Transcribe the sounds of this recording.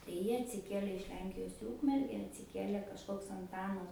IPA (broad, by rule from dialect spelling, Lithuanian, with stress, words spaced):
tɐɪ ˈjiɛ ɐtʲsʲɪˈkʲiɛlʲɛ ɪʃ ˈlʲɛŋʲkʲɪjoːs iː ˈuːkmʲɛrʲɡʲɛ ɐtʲsʲɪˈkʲiɛlʲɛ kɐʃˈkoːks ɐnˈtɑːnɐs